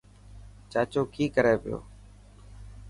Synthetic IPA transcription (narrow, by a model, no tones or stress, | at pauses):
t͡ʃaːt͡ʃoːkʰiːkəɾeːpɪjo̰ː